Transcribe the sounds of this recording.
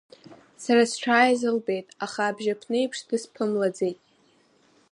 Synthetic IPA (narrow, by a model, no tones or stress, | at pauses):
saɾasʈ͡ʂʷʰaːjzɨlbe̞jtʼaχaːbʒapʰnejpʰʂdɨspʰɨmlad͡zejtʼ